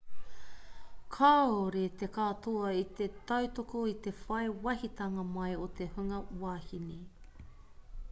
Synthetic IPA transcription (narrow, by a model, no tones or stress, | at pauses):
kʰaːoɾet̪ekat̪oɐit̪et̪ɐwt̪okoit̪efɐjwɐhit̪ɐŋɐmɐjot̪e̞hʉŋɐwaːhini